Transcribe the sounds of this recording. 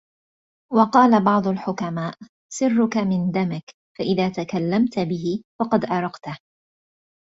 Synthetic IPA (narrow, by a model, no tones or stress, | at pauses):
wɑqɑːlabɑʕd̪ˤʊlħʊkamaːʔ | sɪrːʊkamɪnd̪amɪk | faʔɪðaːt̪akalːamt̪bɪɦɪfɑqɑd̪ʔɑɾˤɑqt̪a